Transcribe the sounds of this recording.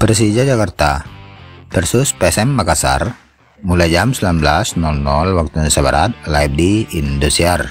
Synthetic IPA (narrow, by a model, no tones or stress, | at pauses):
pərs̬id͡ʒad͡ʒakart̪a | pɛrsuspɛsɛmːakasa̰r | mulajd͡ʒamsəlamblasnɔlnɔlwak̚t̪unsaba̰ɾa̰t̪̚laip̚diindusiar